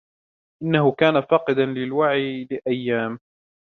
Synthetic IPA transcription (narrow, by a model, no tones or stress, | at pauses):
ʔɪnːahʊkaːnafɑːqɨd̪anlɪlwaʕilɪʔajːaːm